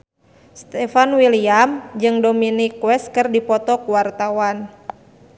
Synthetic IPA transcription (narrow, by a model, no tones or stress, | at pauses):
st̪ɛfanwiliamd͡ʒɨŋdɔminikwɛs̚kɨrdipɔt̪ɔkuwart̪awan